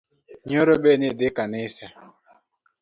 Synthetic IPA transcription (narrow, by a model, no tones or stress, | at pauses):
ɲoɾobenɪdɪkanɪsa